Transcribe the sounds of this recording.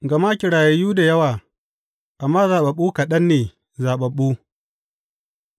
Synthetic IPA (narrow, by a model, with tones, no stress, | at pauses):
ɡɐ˨ma˦kʲɪ˨ɽaː˨jɐ˨juː˦da˨jɐ˦waː˨ | ʔa˨mːaː˦zaː˨ɓɐ˨ɓuː˦ka˨ɗɐ˦nːeː˨ | zaː˨ɓɐ˨ɓːuː˦